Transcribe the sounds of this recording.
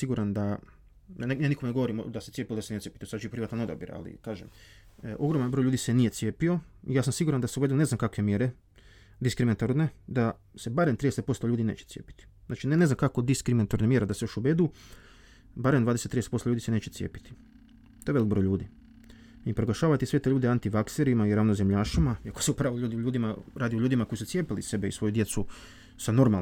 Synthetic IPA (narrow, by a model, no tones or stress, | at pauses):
siɡuɾand̪a | ejaːnikomneɡo̞ʋo̞ɾimo̰d̪aset̪siepijod̪seneepit̪osad̪ʒiipɾiʋat̪ano̞d̪a̰bjḭɾa̰lḭkaːʒem | ʔo̞ɡɾomanbɾojʎuːd̪ise̞nije̞t̪sje̞ːpio̞ijaːs̬amsiɡuɾand̪aseuʋe̞d̪uone̞znamkakʋemjeɾe | d̪iskɾiminat̪oɾne̞d̪a | se̞baɾemt̪ɾid̪eset̪̚po̞st̪oʎuːd̪inḛːt͡ʃe̥tsijeːpi̥t̪i̥ | zaːt͡ʃinene̞znamkakod̪iskɾiminat̪oɾnemjeɾed̪aseoʃuʋed̪u | baɾemnd̪aːd̪eset̪ɾid̪eset̪post̪oʎuːd̪isene̞ːt͡ɕet̪sijḛːpi̥t̪i̥ | t̪o̞eʋelik̚bɾojlʎuːd̪i | ipɾoɡlaʃaːʋat̪iset̪eʎuːd̪eant̪iʋakseɾiimaiɾaʋnozemʎaːʃimaiakoseupɾaːʋoʎuːd̪iʎuːd̪imaɾaːd̪ioʎuːd̪imakoisut̪sije̞ːpilḭse̞beisʋo̞jud̪je̞t̪su | sano̞ɾmal